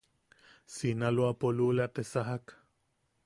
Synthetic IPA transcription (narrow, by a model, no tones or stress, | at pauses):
sinaloapolulat̪esaɦak